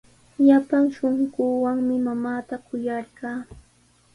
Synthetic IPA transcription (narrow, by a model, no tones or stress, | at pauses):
ʎapaŋʃoɴɢuːwaŋmɪmamaːt̪akʊjɑɾɢɑː